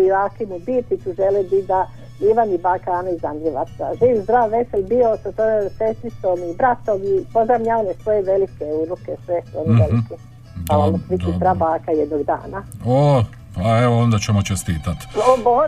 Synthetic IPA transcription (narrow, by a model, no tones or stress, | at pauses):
iakimubit̪it̪uʒelebid̪a | iʋanibakaːnaizand̪ɾiʋa̰t̪sa̰ʒiːʋzd̪ɾaːʋʋe̞selʲbiososojesest̪ɾist̪omibɾat̪oɡipozamɲaːʋanesʋojeʋelikeuɾukesʋeonoʋeliki | palamosʋik̪it̪ɾabaːkajed̪noɡd̪a̰ːnao | aeoond̪at͡ɕemot͡ʃest̪iːt̪at̪obo